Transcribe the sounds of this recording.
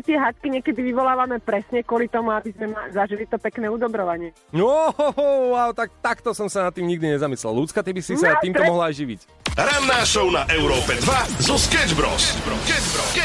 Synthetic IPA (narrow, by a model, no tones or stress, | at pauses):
t̪ɪɛɦat̪kiɲɪɛkɛd̪iʋiʋɔlaːʋamɛpɾɛsɲɛkkwʊɔlit̪ɔmuabizmɛmazaʒilit̪ɔpɛknɛːud̪ɔbɾɔʋaɲɪɛ | nɔ | waʊt̪ak̚t̪akt̪ɔsɔmsanat̪ːiːmɲiɡ̚d̪iɲɛzamislɛ̰llut͡skat̪ibisisatiːmt̪ɔɔmɔɦlaajʒiʋḭc | ɾanːaːʃɔʊnaʔɛʊɾɔːpɛd̪ʋazɔskɛd͡ʒbɾɔ̰sɛbɾ